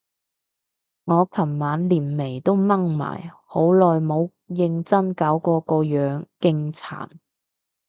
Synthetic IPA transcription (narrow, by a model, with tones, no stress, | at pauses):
ŋɔː˨˧kʰɐ˨˩mmaː˨˧nliː˨˩nme˨˩jt̪o˥wmɐ˥ŋma̰ː˨˩jho˨˥wlɔː˨jmo˨˧w | jɪ˧ŋt͡sɐ˥nkaː˨˥wkɔː˧kɔː˧jœː˨˥ŋkɪ˧ŋt͡sʰa̰ː˨˩n